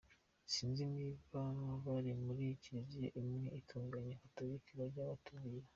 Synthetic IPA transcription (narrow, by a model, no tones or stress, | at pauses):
siːnzimivanaβaɾimuɾicizeʔimŋeitʰuːŋɡaɲahataβikiɾaɾɟaβatʰuβija